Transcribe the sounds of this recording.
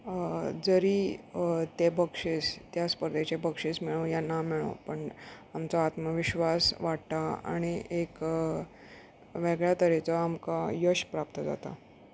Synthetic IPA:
d͡zəɾiːt̪epəkʂest̪jaspəɾd̪et͡ɕepəkʂesmiɭojanamiɭo̰pəɳamt͡soat̪məʋiɕʋasʋaɽt̪aa̰ɽ̃iek | ʋeɡɭjat̪əɾet͡sɔamkajəɕpɾap̚t̪əd͡za̰t̪a̰

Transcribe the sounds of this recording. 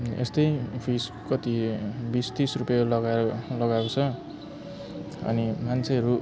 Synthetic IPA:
ḛst̪ʌjpʰis | kʌt̪ibist̪isrupjalʌɡaɾʌlʌɡaw̃t͡sʰʌ | ʌ̰nimant͡sʰeʌɾu

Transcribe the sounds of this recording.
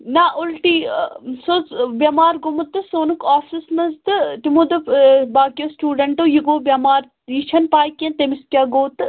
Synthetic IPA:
naʔʊlʈiːsobjɐmaːɾɡʊmɐt̪ɨsoːnukaːfʰismɐzd̪ɨʈimod̪ɨbaːkijoːsʈuːɖɐɳʈoːjiɡoːbʲjɐmaːɾ | jiʃʰɐnpaːjkjɐ̃nt̪emɪsʈʲjaːɡoːt̪

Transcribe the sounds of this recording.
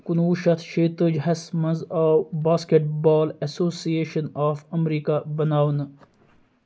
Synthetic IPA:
kunuːʃɐt̪ʰʃeːt̪əd͡ʒɦɐsmɐnzaːwbaːskeʈ̚baːlɐsoːsieːʃɐnaːfɐmɾiːkabɐnaːwn

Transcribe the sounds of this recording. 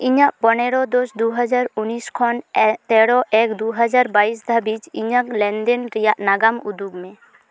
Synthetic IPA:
iɲaʔpɔnɛɽɔd̪ɔsd̪uɦad͡ʒaɾuniskʰɔnt̪ɛɽɔʔɛkd̪uɦad͡ʒaɾbais̬d̪ʱabid͡ʒiɲaklɛnd̪ɛnɾijaʔnaɡamud̪uɡmɛ̃

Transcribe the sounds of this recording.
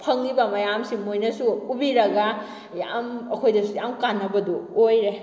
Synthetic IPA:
pʰɐŋlibɐmɐjamsimojnɐsuːbiɾɐɡa | ja̰mɐkʰojdɐsujamkanːɐbɐdoojɾe

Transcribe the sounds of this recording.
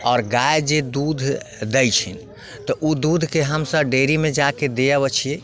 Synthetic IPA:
ɔːɾɡajd͡ʒed̪ud̪ʱd̪əjt͡ʃʰin | t̪ɔʔud̪ud̪ʱkeɦəmsəbɖeɾimed͡ʒaked̪ejəβət͡ʃʰije

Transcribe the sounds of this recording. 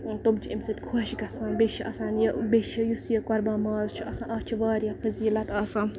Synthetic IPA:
t̪omt͡ʃʰiimsɐt̪ʲkʰoʃiɡɐsaːnbeʃiʔɐsaːnjɐbeʃijusjɐkɐɾbaːmaːzt͡ʃʰiʔɐsãːʔɐːt͡ʃʰiʋaːɾjɐ̃fɐziːlɐt̪aːsãːn

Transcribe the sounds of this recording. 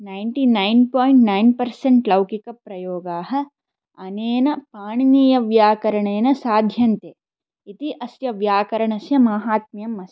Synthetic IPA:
nɐjɳʈinɐjnpoːjɳʈnɐjnpɐɾseɳʈlɐwkikɐpɾɐjoːɡaːɦɐ̆ | ɐneːnɐpaːɳniːjɐʋjaːkɐɾɐɳeːnɐsaːd̪ʱjɐnt̪eː | it̪iʔɐsjɐʋjaːkɐɾɐɳɐsjɐmaːɦaːt̪̚mijɐmːɐs

